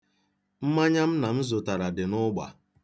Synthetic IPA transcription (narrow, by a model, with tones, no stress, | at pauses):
m̩˦ma˦ɲa˦m̩˦na˨m̩˦zʊ˨ta˨ɾa˨dɪ˨nʊ˦ɡ͡ba̰˨